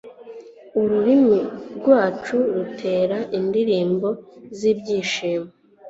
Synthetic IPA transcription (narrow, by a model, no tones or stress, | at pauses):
uɾuɾimiɾɡwaːt͡ʃuɾutʰe̞ːɾaʔindiɾiːmbo̞ziːbɟiːʃiːme